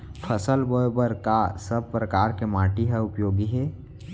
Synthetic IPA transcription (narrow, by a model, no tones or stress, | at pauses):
pʰəsəlbojbəɾkasəb̚pɾəkaːɾkemaːʈiɦəʊpjoːɡiɦɛː